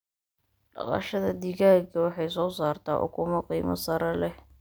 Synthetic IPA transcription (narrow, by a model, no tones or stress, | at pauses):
ɖɑ̰qɑ̰ʃɐðɐd̪ɪɣaːɡkʰɐwɑħɑjs̬ɔːsaːrt̪ʰa̰ːʔʊ̰kʰʊmɐqiːmɐ̰sɐɾɐlɛh